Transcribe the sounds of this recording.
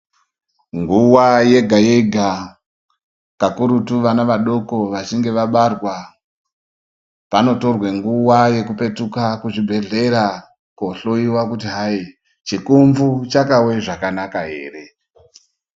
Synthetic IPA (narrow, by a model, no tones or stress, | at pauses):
ŋɡuwaje̞ɡʱajeɡʱa | kakuɾutuʋanaʋaɗo̞ko̞ʋat͡ʃiŋɡe̞ʋaɓarwa | pano̞to̞rweŋɡuwaje̞kupe̞tukakuʐibʱe̞ɮe̞ɾa | koɬo̞iwakutiɦai | t͡ʃikuɱvut͡ʃakawe̞ʐakanakaɦe̞̰ːre̞